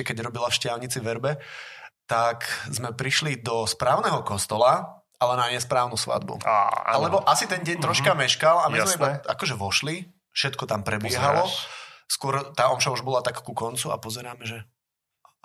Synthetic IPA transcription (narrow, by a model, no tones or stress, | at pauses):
kɛɟɾɔbilafʃcɪalɲit͡siʋɛɾbɛt̪akzmɛpɾiʃlid̪ɔspɾaːʊnɛɦɔkɔst̪ɔla | alɛnaɲɛspɾaːʊnusʋa̰d̪bṵa̰alɛbɔʔasit̪ɛnɟɛɲt̪ɾɔʃkamɛʃkalamizmɛibaa̰kɔʒɛʋɔʃli | fʃɛt̪kɔt̪ampɾɛbɪɛɦalɔskʊɔɾt̪aːɔmʃauʒbɔlat̪akkukɔnt͡sua̰pɔzɛɾaːmɛʒɛ